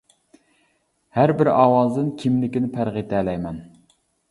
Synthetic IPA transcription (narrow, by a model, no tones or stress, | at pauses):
hæɾbɪɾɑːwɑzd̪ɨnkʲʰimlɪkʲinɪpʰæɾʁit̪ʰɛːlɛjmɛn